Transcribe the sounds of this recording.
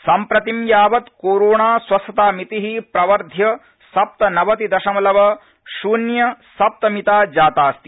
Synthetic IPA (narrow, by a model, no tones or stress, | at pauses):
sɐmpɾɐt̪imjaːʋɐt̪kuːɾuːɳaːswɐsɐt̪aːmit̪iɦipɾɐʋɐɾd̪ʱjɐ | sɐp̚t̪ɐnɐʋɐt̪id̪ɐʃɐmɐlɐʋɐ | ʃuːnjɐsɐp̚t̪ɐmit̪aːd͡ʒaːt̪aːst̪i